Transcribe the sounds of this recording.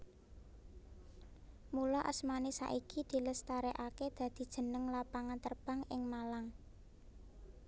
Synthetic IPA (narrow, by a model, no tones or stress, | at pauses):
mulɔʔəsmanisa̰ʔikid̪̥i̤ləst̪aɾeʔaked̪̥ä̤d̪̥i̤d̥ʒ̥ə̤nəŋlapaŋant̪ərb̥a̤ŋɪŋmalaŋ